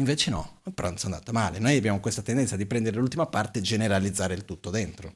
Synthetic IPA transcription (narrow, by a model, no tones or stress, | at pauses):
iɱveːt͡ʃenɔ̰peɾɔnsoand̪a̰ːt̪omaːlenojabjaːmokwest̪at̪end̪ɛnt̪sad̪ipɾɛnd̪eɾelult̪imapart̪ed͡ʒeneɾalid̪zːaːɾeilt̪ut̪ːod̪ent̪ɾo